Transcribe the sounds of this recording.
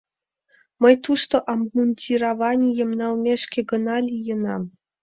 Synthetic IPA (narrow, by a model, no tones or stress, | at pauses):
mə̆jt̪uʂt̪ŏʔɑmmunʲtʲiɾaʋɑnʲijɤ̆mnɑlˠmʲeʃkʲĕɡɤ̆nɑlʲijɤ̆nɑm